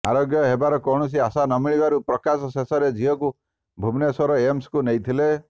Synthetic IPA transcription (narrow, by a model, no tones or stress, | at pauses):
a̰ɾoɡjɔɦebaɾɔkɔɽ̃ɔs̬iasanɔmiɭibaɾupɾɔkasɔsesɔɾed͡ʒʱiɔku | bʱubnesɔɾɔemskunejt̪ʰile